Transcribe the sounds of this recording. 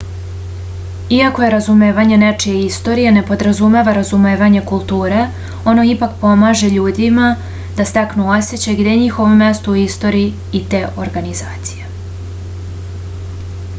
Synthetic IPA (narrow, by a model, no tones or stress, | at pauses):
iako̞je̞ɾazume̞ːʋaɲe̞ne̞t͡ʃijeist̪o̞ɾije̞ne̞po̞d̪ɾazume̞ʋaɾazumeːʋaɲe̞kulˠt̪uːɾe̞ | o̞no̞ipakpo̞maːʒe̞ʎuːd̪ima | d̪ast̪aknuoset͡ɕeɡd̪e̞ɲixo̞ʋomːje̞st̪uuist̪o̞ːɾiiː | t̪e̞ːʔo̞ɾɡanizaːt̪si̥je